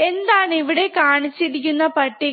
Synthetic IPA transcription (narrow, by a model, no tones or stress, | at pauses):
e̞nd̪aːɳiʋiɽe̞kaːɳit͡ɕːiɾikʲːunːɐpɐʈːi